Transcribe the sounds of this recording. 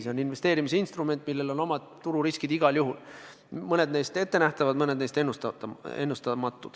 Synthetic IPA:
seo̞ninve̞st̪e̞ːɾimiseinst̪rume̞nt̪ːˑmilːe̞lo̞no̞mɑd̪t̪ːuɾuɾiskid̪̥iɡ̥ɑljuɦul | mɤne̞d̪ne̞jst̪e̞t̪ːe̞næht̪ɑvɑd̪mɤne̞d̪nejst̪enːust̪ɑe̞nːust̪ɑmɑt̪ːˑud̪̥

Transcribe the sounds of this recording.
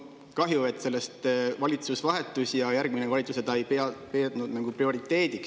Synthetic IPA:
kɑɦjue̞t̪ːˑse̞lːe̞st̪vɑlʲit̪susvɑɦe̞t̪ːˑusjɑjærɡ̥minevɑlʲit̪suse̞t̪ɑjpepeːt̪nud̪̥næɡ̥uprio̞ɾit̪ːˑe̞ːd̪̥iks

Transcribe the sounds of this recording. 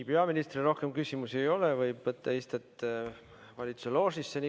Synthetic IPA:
pe̞ɑminist̪riro̞hke̞mkysʲimusiejo̞levɤjb̥vɤt̪ːɑist̪et̪ː | vɑlʲit̪su̥selo̞ːsisːeni

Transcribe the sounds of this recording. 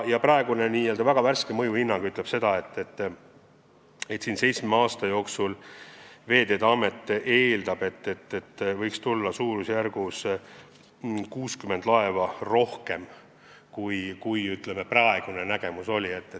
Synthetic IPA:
jɑprɑeɡ̥une̞niːøld̪ɑvæɡ̥ɑværskemɤjuhinːɑŋɡ̥yt̪ːˑle̞b̥se̞d̪̥ɑe̞t̪ːet̪ː | e̞t̪siːnse̞jt̪smeɑːst̪ɑjo̞ːksul | ve̞ːd̪e̞ːd̪ɑːme̞t̪ːˑe̞ːld̪̥ɑb̥e̞t̪ːet̪ːet̪ːvɤjkst̪ulːɑsuːɾusjærɡ̥us | kuːskyme̞nd̪̥lɑe̞vɑro̞hke̞m | kujkujyt̪ˑlemeprɑeɡ̥unenæɡ̥e̞muso̞lʲie̞t̪ːe

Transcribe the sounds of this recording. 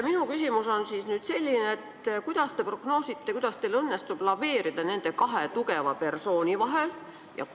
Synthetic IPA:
minukysʲimuso̞nsisnyːd̪se̞lʲːineet̪ːkujd̪̥ɑst̪e̞pro̞ɡ̥no̞ːsit̪ːˑekujd̪̥ɑst̪elɤ̞nːest̪ub̥lɑve̞ːɾid̪̥ɑne̞nd̪̥e̞kɑɦet̪uɡe̞vɑpe̞rso̞ːnʲivɑɦel | jɑ̰

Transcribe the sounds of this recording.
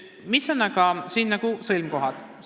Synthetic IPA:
misonːɑɡɑsiːnːɑɡ̥usɨlʲmko̞ɦɑd̪̥

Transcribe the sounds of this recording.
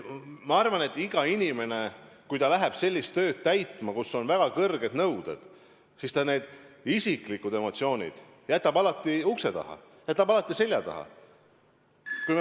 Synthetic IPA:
mɑɑrvɑne̞t̪ːˑiɡ̥ɑinʲime̞ne̞ | kujt̪ɑlæɦeb̥se̞lʲːist̪ːø̞ːd̪̥̚t̪æjt̪ˑmɑkuso̞nvæɡ̥ɑkɤrɡ̥e̞d̪nɤwd̪ḛd̪̥ | sist̪ɑne̞ːd̪̥isikˑlikːˑud̪̥e̞mo̞t̪sio̞ːnʲḭd̪̥ | jæt̪ːˑɑbɑlɑt̪ːˑiukse̞t̪ɑ̰hɑ̰ | jæt̪ːˑɑb̥ɑlɑt̪ːˑise̞lʲjɑt̪ɑ̰hɑ̰ | kujm

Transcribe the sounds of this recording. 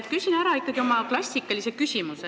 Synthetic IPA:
t̪kysʲinæɾɑikːˑɑɡ̥iomɑklɑsʲikˑːɑlise̥kysʲimuse

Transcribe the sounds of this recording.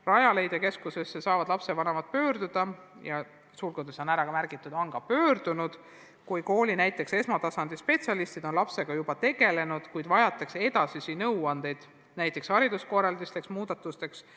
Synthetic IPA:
rɑjɑle̞jd̪eke̞skuse̞sːesɑːvɑd̪lɑpse̞vɑnevɑt̪̚pø̞ːɾd̪ud̪̥ɑjɑ | suːlɡod̪̥eso̞næɾɑkɑmærɡ̥it̪ˑːud̪ɑŋɡ̥ɑpø̞ːrd̪̥unud̪̥ | kujko̞ːlʲinæjt̪ːˑe̞kse̞smɑt̪ɑsɑnd̪ispe̞t̪siɑlist̪id̪̥o̞nlɑpse̞ɡ̥ɑjub̥ɑt̪e̞ɡe̞le̞nud̪̥kujd̪vɑjɑt̪ːˑekse̞d̪ɑsisinɤwɑnd̪e̞jd̪̥ | næjt̪ˑːe̞kshɑɾid̪̥usko̞rɑld̪ist̪leksmuːd̪ɑt̪ːˑust̪e̞ks

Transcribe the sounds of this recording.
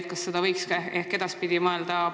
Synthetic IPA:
t̪̚kɑsːed̪ɑvɤjkskɑehke̞d̪̥ɑspid̪̥imɑeld̪ɑ

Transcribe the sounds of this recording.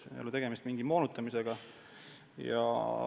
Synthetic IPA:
ḛolːət̪e̞ɡ̥e̞mist̪miŋɡ̥imo̞ːnut̪ːˑɑmise̞ɡ̥ɑ | jɑ̰

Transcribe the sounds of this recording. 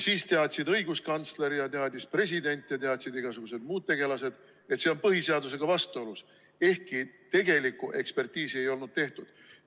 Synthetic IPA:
siːst̪eɑd̪ʲsid̪ɤjɡuskɑnt̪sle̞ɾjɑt̪eɑd̪ʲispre̞s̬ʲid̪e̞nʲt̪ːˑjɑt̪e̞ɑd̪̥ʲsid̪iɡ̥ɑsuɡ̥use̞d̪muːd̪̚t̪e̞ɡ̥e̞lɑse̞d̪̥ | e̞t̪se̞o̞npɤɦise̞ɑd̪us̬e̞ɡ̥ɑvɑst̪uolus | e̞hkit̪e̞ɡ̥e̞likːˑuʔe̞̰kspe̞rt̪ʲiːsie̞jo̞lnud̪̥̚t̪e̞ht̪ud̪̥

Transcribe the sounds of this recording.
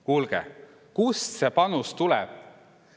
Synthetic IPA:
kuːlɡ̥ḛ | kussepɑnust̪ulɛ̰b̥̚

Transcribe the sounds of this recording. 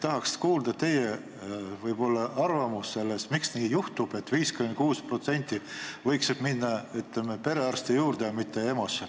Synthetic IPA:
t̪ɑɦɑkskuːld̪̥ɑt̪e̞je | vɤjb̥o̞lːɑɑrvɑmusːe̞lːesmiksniːjuht̪ub̥e̞t̪ːviːskyment̪̚kuːspro̞t̪se̞nʲt̪ːˑivɤjksib̥minːɑyt̪lemepe̞ɾe̞ɑrst̪ijuːrd̪ejɑmit̪ːe̞emose

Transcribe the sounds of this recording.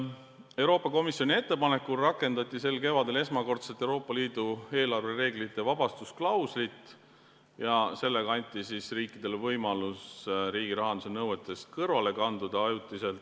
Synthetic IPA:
e̞wɾo̞ːpːˑɑko̞misjo̞nʲie̞t̪ːe̞pɑne̞kːˑulrɑkːˑe̞nd̪ɑt̪ʲːˑise̞lke̞vɑd̪e̞le̞s̬mɑko̞rt̪set̪ːˑe̞wɾo̞ːpˑːɑliːd̪̥ue̞ːlɑrvere̞ːɡlit̪ˑːe̞vɑb̥ɑst̪usklɑwslit̪ːˑ | jɑse̞lːe̞ɡɑɑnʲt̪ːˑisisriːkːˑid̪̥e̞levɤjmɑlusɾiːɡ̥iɾɑɦɑnd̪use̞nɤwe̞t̪ːˑe̞skɤrvɑle̞kɑnd̪ud̪̥ɑɑjut̪ːˑise̞lt̪

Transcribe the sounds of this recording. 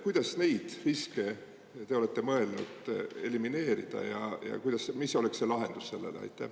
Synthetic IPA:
kujd̪ɑsne̞jd̪̥riske̞ | t̪e̞o̞le̞t̪ːe̞mɤe̞lnṵd̪̥e̞limine̞ːɾid̪̥ɑ̰jɑ̰jɑ̰kujd̪̥ɑsmisːo̞leksːe̞lɑɦe̞nd̪̥usse̞lːḛleɑ̰jt̪ˑːæh

